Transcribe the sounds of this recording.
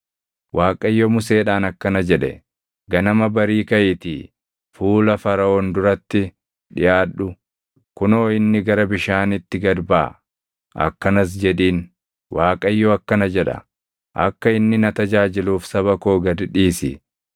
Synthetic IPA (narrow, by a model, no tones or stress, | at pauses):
wʔaːkʼɐjːomʊse̞ːᶑaːnɐkːɐnɐd͡ʒɛᶑɛ̰ | ɡɐnɐmɐbɐɾiːkɐjɪt̪ḭ | fuːlɐfɐɾɐoːnd̪ʊɾɐt̪ːɪ | ᶑɪjaːɗʊ | kʊnoːɪnːɪɡɐɾɐbɪʃaːnɪt̪ːɪɡɐɾba̰ː | ʔɐ̰kːɐnɐs̬d͡ʒɛᶑiːn | wʔaːkʼɐjːoɐkːɐnɐd͡ʒɛᶑɐ̰ | ʔɐ̰kːɐɪnːɪnɐt̪ɐd͡ʒaːd͡ʒɪluːfsɐβɐkoːɡɐd̪ɪᶑiːsɪ̰